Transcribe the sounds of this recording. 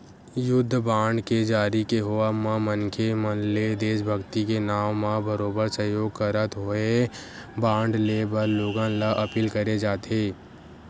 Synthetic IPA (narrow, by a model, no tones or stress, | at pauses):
jʊd̪ʱːbãːɳɖked͡ʒaːɾikeɦoamãmənkʰemənled̪eːʃbʱəɡt̪ikenaːmːãbəɾoːbəɾsəɦjoːɡ̚kəɾət̪ɦoebãːɳɖleːbəɾloːɡãlaʔɐpiːlkəɾed͡ʒaːt̪eː